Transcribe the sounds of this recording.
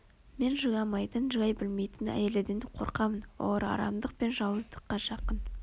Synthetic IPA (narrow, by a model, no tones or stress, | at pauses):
me̞nʒəʁɑmɑjt̪ənʒəʁɑjbɪlme̞jt̪ɪnæ̰jeled̪end̪ɪqʰo̞̰ɾqɑmənwo̰əɾɑ̰ɾɑ̰md̪əq̚pe̞nʒɑwəzd̪ə̥qːɑʃɑqən